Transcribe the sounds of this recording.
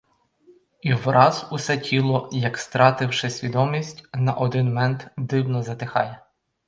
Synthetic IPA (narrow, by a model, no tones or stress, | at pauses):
iwɾɑzusɛtʲʰilˠɔjɐkst̪ɾɑt̪ɪwʃɛsʲʋʲid̪ɔmʲisʲtʲnɐʔɔd̪ɪnmɛnt̪d̪ɪwnɔzɐt̪ɪxɑjɛ